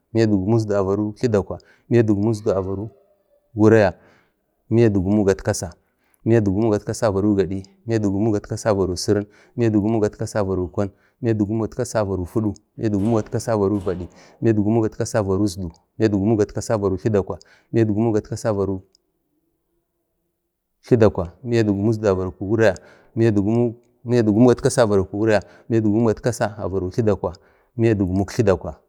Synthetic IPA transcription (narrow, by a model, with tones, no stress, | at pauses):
mi˦ja˦du˨ɡu˨mu˦s̬du˨a˨va˨ɾu˦ɬi˦da˨kʷa˨ | mi˦a˦du˨ɡu˨mu˦z̬du˨a˨va˨ɾu˦ | ɡu˦ɾa˦ja˨ | mi˦ja˦du˨ɡu˨mu˦ɡa˨tka˦sa˨ | mi˦ja˦du˨ɡu˨mu˦ɡa˨tka˦sa˦˨va˨ɾu˦ɡa˨ɗi˦mi˦a˦du˨ɡu˨˦mu˦ɡa˨tka˦sa˦˨va˨ɾu˨si˦ɾə˦n | mi˦ja˦du˨ɡu˦mu˦ɡa˨tka˦sa˦˨va˨ɾu˨kʷa˦n | mi˦ja˦du˨ɡu˦mu˦ɡa˨tka˦sa˦˨va˨ɾu˨fu˦ɗu˦mḭ˦ja˦du˨ɡu˦mu˦ɡa˨tka˦sa˦va˨ɾu˦va˨ɗi˨ | mi˦ja˦du˨ɡu˦mu˦ɡa˨tka˦sa˦˨va˨ɾu˦zdu˨ | m˦a˦du˨ɡu˨˦mu˦ɡa˨tka˦sa˦˨va˨ɾu˨ɬi˦da˨kʷa˨ | mi˦a˦du˨ɡu˦mu˦ɡa˨ta˦sa˦va˨ɾu˦ | ɬi˦da˨kʷa˨mi˦ja˦du˨ɡu˨mu˦z̬da˨va˨ɾu˨ku˨wu˦ɾa˦ja˨ | mi˦ja˦du˨ɡu˦mu˦ | mi˦ja˦du˨ɡu˦mu˦ɡa˨tka˦sa˦˨va˨ɾu˨ku˨wu˦ɾa˦ja˨ | mi˦a˦du˨ɡu˦m˦ɡa˨tka˦sa˦a̰˨va˨ɾu˨ɬi˦da˨kʷa˨ | mi˦a˦du˨ɡu˨mu˦kɬi˦da˨kʷa˨